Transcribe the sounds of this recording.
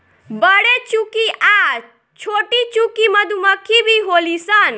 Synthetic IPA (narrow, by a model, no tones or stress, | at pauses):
bəɽet͡ʃukiʔa | t͡ʃʰoʈit͡ʃukiməd̪ʱuməkʰibʱiɦolisən